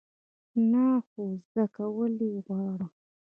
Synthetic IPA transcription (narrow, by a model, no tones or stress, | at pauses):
naxuzd̪akawəliɣwɑɽə